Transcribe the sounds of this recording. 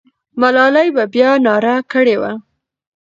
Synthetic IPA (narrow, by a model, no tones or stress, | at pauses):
malɑlajbabjɑnɑɾakəɽewa̰